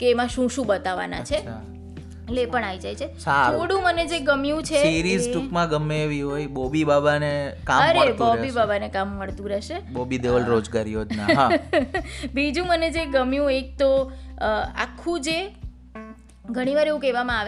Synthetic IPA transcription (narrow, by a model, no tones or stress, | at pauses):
keːmãʃũʃũbət̪aʋa̰na̰t͡ʃʰe | lepəɳaʋid͡ʒajt͡ʃʰesatʰoɽũməned͡ʒeɡəmjũt͡ʃʰeiɾizʈukmãɡəmːeʋiɦojbobibabanekaəmɾebɔbibabanekamːəɭt̪ũɾɛʃebobid̪eʋəlɾod͡ʒɡaɾiɦod͡ʒnaɦa | bid͡ʒũməned͡ʒeɡəmjũek̚t̪o | a̰kʰːũd͡ʒe | ɡʱəɽ̃iʋaɾeʋũkɛʋamãaʋe